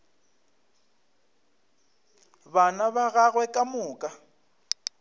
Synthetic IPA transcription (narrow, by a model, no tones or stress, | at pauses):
banaβaɣaɣwɛkʼamʊːkʼa